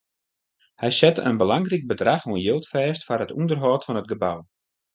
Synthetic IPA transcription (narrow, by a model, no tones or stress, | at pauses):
hɛjsɛtə̰nbəlaŋrik̚bədraxuənjɪlˠtfɛːstfarətṵndərɦɔːtfɔnət̚ɡəbaw